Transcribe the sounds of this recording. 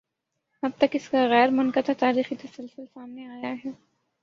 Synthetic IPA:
ɐb̚t̪ɐkɪskaɣɛːɾmʊnkət̪at̪aːɾiːxit̪ɐsɪlsɪlsaːmneaːjaɦɛː

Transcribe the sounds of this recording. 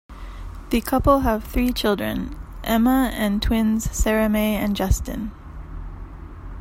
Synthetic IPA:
ðɨkʰʌpəlˠəv̥θɹiːt͡ʃʰɪlˠdɹə̰̃nʔɛməɨ̃ntʰw̥ɪ̃nz̥sɛɹəmeɪɨ̃nd͡ʒʌstɪ̰̃n

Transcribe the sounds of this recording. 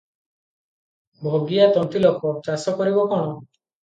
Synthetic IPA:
bʱoɡijat̪ɔnt̪ilokɔt͡ʃasɔkɔɾibɔkɔɽ̃ɔ

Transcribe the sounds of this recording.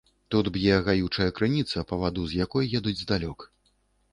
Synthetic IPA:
t̪ud̪bjɛɣajut͡ʂɐjɐkɾɨnʲit̪sɐpɐvad̪uzjakɔjjɛd̪ud͡zʲzd̪alʲɔk

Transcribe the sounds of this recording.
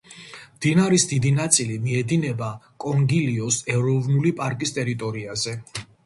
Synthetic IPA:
md̪̥inaɾisd̪id̪inat̪sʼilimiɛd̪inɛbakʼɔŋɡiliɔsɛɾɔvnulipʼaɾkʼist̪ʼɛɾit̪ʼɔɾiazɛ

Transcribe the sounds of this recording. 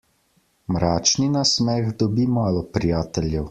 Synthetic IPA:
mɾaːt͡ʃninasmɛɣd̪ɔbimaːlɔpɾijaːt̪ɛljɛw

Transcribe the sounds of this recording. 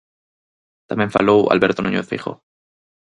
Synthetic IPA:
t̪amjeɱfalowa̰lβeɾt̪onuɲoθḭxo̰

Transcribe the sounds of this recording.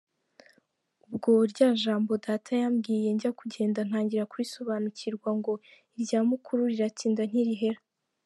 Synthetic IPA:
ubɡo̞ɾɟaːʒaːmbo̞daːtʰajaːmɡiːje̞ɲɟakuɟe̞ːndan̥haːɲɟiɾakuɾiso̞βaːnucʰiɾɡwaŋɡo̞ | iɾɟaːmukʰuɾuɾiɾatiːndan̥hiɾiɦe̞ɾa

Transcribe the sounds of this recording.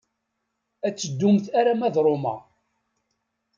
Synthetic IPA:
æt͡sːəd̪ːumθæɾæmæðɾˤomɑ̰

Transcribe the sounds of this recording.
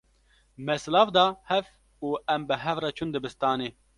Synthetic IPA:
mɛslɑːfd̪ɑːhɛv | uːɛmbɨɦɛvrɑt͡ʃʰund̪ɨbɨst̪ɑːneː

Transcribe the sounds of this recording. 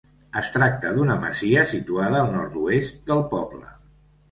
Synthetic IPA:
əst̪ɾak̚t̪əðunəmə̰ziəsit̪uað̞əːlˠnɔɾt̪uest̪̚d̪əlˠpɔblə̰

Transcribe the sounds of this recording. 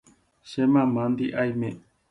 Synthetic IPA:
ʃemãmãnd̪iʔajmẽ

